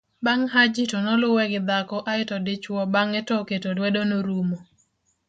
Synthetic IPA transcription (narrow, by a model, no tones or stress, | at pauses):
baŋɦad͡ʒitɔnɔlʊwɛɡɪd̪akɔʔaɪtɔdɪt͡ʃwɔbaŋɛtɔketodwedonoɾumo